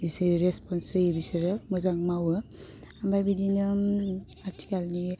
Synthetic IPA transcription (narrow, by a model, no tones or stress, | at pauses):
diseɾespɔnsɯjebisɯɾɯmɯzaŋmawɯ | ambajbidinɯ | aɾtʰi̥kalni